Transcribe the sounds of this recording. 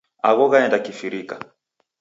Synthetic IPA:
a̰ɣɔɣaɛndakifiɾika

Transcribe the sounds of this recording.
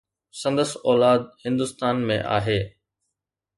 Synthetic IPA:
sɐ̃nd̪əsɔːlaːd̪̚hɪ̃nd̪ʊst̪aːnmḛ̃ʔa̰ːɦeː

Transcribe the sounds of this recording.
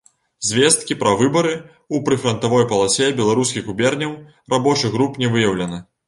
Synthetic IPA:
zʲvʲɛst̪kʲipɾɐvɨbɐɾɨ | upɾɨfɾɐnt̪avɔjpɐlˠasʲɛbʲɛlˠaɾuskʲiɣɣubʲɛrnʲɐw | rabɔt͡ʂɨɣɾupnʲɛvɨjɐwlʲɐnɨ

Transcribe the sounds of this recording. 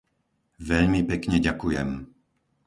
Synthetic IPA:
ʋɛʎmipɛkɲɛɟakujɛ̰m

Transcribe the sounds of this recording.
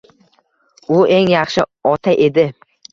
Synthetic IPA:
ʊe̞ŋjɑχʃɪɒt̪ʰaʔe̞d̪ɪ

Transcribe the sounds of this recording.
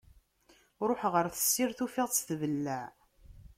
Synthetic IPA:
ɾˤoħʁəɾθə̥sːɪɾθufɪʁt͡sθvəlːæʕ

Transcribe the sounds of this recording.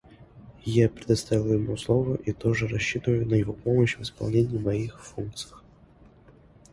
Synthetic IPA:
japɾʲɪd̪ɐst̪avʲɪlˠjɪmuslˠovʊʔit̪oʐɨɾɐɕːit̪əvəjʊnəjɪvopo̞məɕvɨspɐ̰lˠnʲenʲɪjimɐixfunk̚t̪sɨ̥jəx

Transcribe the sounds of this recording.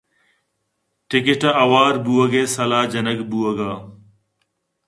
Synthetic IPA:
ʈɪkɪʈɐɐwaːɾbuɐɡeːsɐlaːd͡ʒɐnɐɡbuːɐɡaː

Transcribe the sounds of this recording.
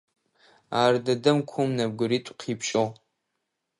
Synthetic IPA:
aːrdɐdɨmkʷʰʊmnɐb̚ɡʷʊɾitʷʼqʰipʰʃʼo

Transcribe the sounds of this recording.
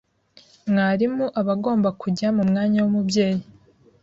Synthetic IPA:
mŋaːɾimuʔaβaɡo̞ːmbakuɟamumŋaːɲawumubje̞ːji

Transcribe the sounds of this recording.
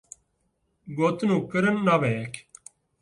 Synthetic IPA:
ɡot̪nũːkəɾənːaʋekʰ

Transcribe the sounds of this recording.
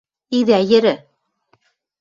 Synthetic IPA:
iðæjɘ̆ɾɘ

